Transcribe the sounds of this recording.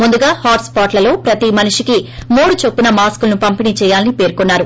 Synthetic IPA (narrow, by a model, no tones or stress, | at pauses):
mund̪uɡaːhaːʈspaːʈlɐlo̞ːpɾɐt̪imɐnuʂikimuːɽut͡ʃopːunɐmaːskulɐnupɐmpiniːt͡ʃɛːjaːlɐnipe̞ːɾkonːaːɾu